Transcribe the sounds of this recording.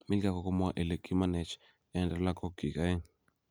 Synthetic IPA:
mi˦lka˦kɔ˨kɔ˦mwa˦ʔe˨le˨ki˦ma˦nɛ˨t͡ʃ | ɛ˨ndɛ˨la˦ko˦ki˨ka˦e˦ŋ

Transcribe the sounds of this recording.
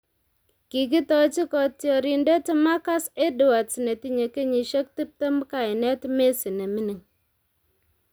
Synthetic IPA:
ki˨k̬i˦tɔ˦t͡ʃi˦kɔ˨tjɔ˨ɾi˨nde˦te˦ma˦ka˦se˦dʊ˨wa˨tsi˨ne˨ti˦ɲe˨ke˦ɲi˨ʃe˦k̚ti˦p̚te˦m˦ka˨i˨nɛ˦tme˦si˨ne˨mi˦ni˨ŋ

